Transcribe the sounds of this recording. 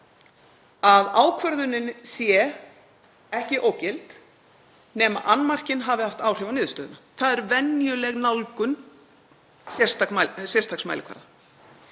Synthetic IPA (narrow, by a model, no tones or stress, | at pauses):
aðaːwkʰvœɾðʏnːɪnsjɛ | ɛhcɪʔoːwcɪlt̪ | nɛːma̰ʔanːmar̥cɪnɦaːvɪhaft̪aːwr̥ɛvanɪːðʏst̪œːðʏnaθaðɛɾvɛnjʏlɛɣnawlkʏn | sjɛr̥st̪akasjɛr̥st̪ʰaksma̰jlɪkʰva̰ɾða